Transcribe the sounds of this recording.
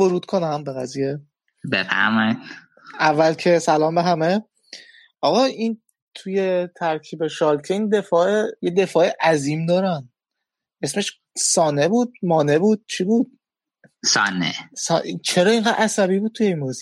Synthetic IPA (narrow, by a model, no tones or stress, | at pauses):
voɾuːd̪̥kʰonæmbeɣæzije̞ | bḛfæ̰ɾmɒid̪ | ævːælcʰe̞sælɒːmbeɦæme̞ | ɒɣɒʔin | t̪ʰuje̞t̪ʰæɾcʰiːbe̞ʃɒːlcʰeiːnd̪e̞fɒːejed̪e̞fɒːeʔæziːmd̪ɒːɾæn | ʔe̞sme̞ʃ | sɒːnebuːd̪̚mɒːne̞buːd̪̥̚t͡ʃʰibuːd̪̥̚ | sɒ̰ːnḛsɒ̰it͡ʃʰeɾɒːiŋɢæd̪ʔæsæβiːbuːd̪̚t̪ʰujeimbozi